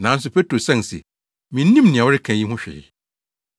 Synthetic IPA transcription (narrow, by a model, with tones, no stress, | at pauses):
nã˨˦n˦s̬ʊ˨pʰe˦tʰɾo˨sɛ̃˦˨n˨sḛ˨ | mĩ˨n̩˦nĩ˦mnɪ̃˨a˨wɾɪ˦kʰã˨ji˦ɦʊ̃˦ɕᶣɛ̰˨ɪ̰˨